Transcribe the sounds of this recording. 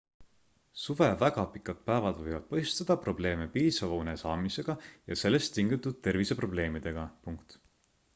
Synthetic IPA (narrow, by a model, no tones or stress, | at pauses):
suve̞væɡ̥ɑpikːˑɑt̪̚pæevɑd̪vɤjvɑd̪̥̚pɤ̞jst̪ɑd̪̥ɑpro̞ble̞ːme̞piːsɑvɑune̞sɑːmise̞ɡ̥ɑjɑse̞lːe̞st̪ːiŋɡit̪ːˑud̪̥̚t̪e̞rvise̞pro̞ble̞ːmid̪̥e̞ɡ̥ɑpuŋkt̪